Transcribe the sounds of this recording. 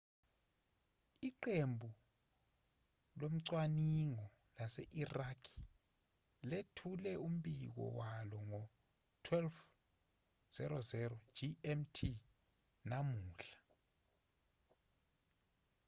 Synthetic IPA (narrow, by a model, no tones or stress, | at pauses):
iǃembʱu | lom̩ǀwaniŋɔ | lasɛ̰ʔirakʰi̥ | letʰulɛum̩bik̬ɔ̰walɔŋɔ | tʰwɛlf | z̥ɛɾɔzɛɾɔd͡ʒiɛmtʰi | namuːɬḁ